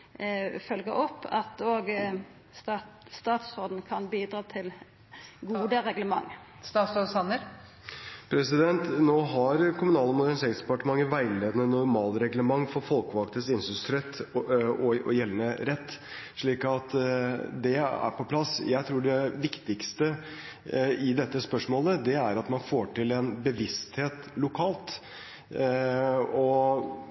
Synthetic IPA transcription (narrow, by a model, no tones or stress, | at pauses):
fœlɡəɾɔpʰːɑ̰t̪oːɡ | st̪ɑst̪ɑːt̪sʁoːd̪n̩kʰɑnbiːd̪ɾɑːt̪ʰɪl | ɡuːd̪əɾɛɡləmɑ̰ŋː | st̪ɑːsosɑnəɾ | pʰɾɛsɪd̪ɛnt̪noːɦɑɾkʰʊmʉnɑːləmʊd̪æɳseːɾɪsd̪ɛpɑʈəmɑŋːəʋæɪleːd̪ənənʊɾmɑːlɾɛɡləmɑŋːfɔɾfɔlkəʋɑk̚t̪əsɪnsʏst̪ʰɾɛt̪ːɔɔ̰jɛlːənəɾɛt̪ː | ʂɭiːkɑt̪d̪ɛæ̰ɾpɔpʰlɑsjæɪt̪ʰɾuːɖɛʋɪkt̪ɪkst̪ə | ɪd̪ɛt̪ːəspœʂmoːləd̪ɛæɾɑt̪mɑnfoːʈɪlɛnbəʋɪst̪heːt̪lʊkʰɑːlt̪ | ɔ